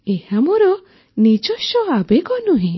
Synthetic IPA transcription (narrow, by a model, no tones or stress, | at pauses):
ehamɔɾɔ | nid͡ʒɔʃɔabeɡɔnuɦĩ